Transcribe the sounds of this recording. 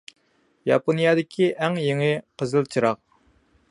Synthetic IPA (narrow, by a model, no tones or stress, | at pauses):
jɑponijɑd̪ɪkʲʰiʔɛŋjeŋɪqʰəzɨlˠt͡ʃʰiɾɑq̚